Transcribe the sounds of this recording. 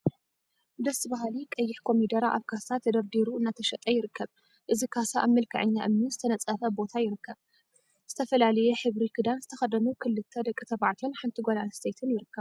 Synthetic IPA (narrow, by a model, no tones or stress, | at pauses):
d̪ɐsbaɦalikʼɐjːɪħkʰo̞mid̪ɐɾaʔaβkʰasat̪ʰːɐd̪ɐɾd̪iɾuɨnːat̪ʰɐʃɐt̪ʼɐjɪɾɨkʰːɐβ | ʔɨzikʰasaʔaβmɨlkʰɐ̰ʕɨ̰ɲːaʔɨmnizɨt̪ʰɐnɐt͡sʼɐfɐbo̞t̪ʰajɪɾɨkːɐβ | z̥ɨt̪ʰɐfɐlalɐjɛħɨβɾikʰɨd̪anzɨt̪ʰɐxɐd̪ɐnukʰɨlːɨt̪ʰːɐd̪ɐkʼɨt̪ʰɐβaʕt̪ʰonħant̪ʰiɡʷolanst̪ʰejt̪ʰɨnjɪɾɨkːɐβ